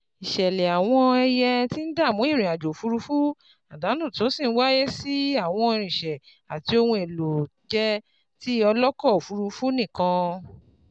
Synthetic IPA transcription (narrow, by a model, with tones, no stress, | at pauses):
i˨ʃɛ˨lɛ˨a˨w̃ɔ̃˧ɛ˧jɛ˧ti˦n̩˦da˦˨mũ˨˦ĩ˦˨ɾ̃ĩ˨a˨d͡ʒo˨fu˧ɾu˧fu˦ | a˨da˨˦nũ˦˨to˨˦si˦˨ñ̩˦wa˦je˦si˦a˦˨w̃ɔ̃˧i˧ɾ̃ĩ˨ʃɛ˨ | a˨ti˧o˧hũ˧e˨lo˨d͡ʒɛ˦ | ti˦ɔ˧lɔ˦kɔ˦˨o˨fu˧ɾu˧fu˦nĩ˦˨kã˧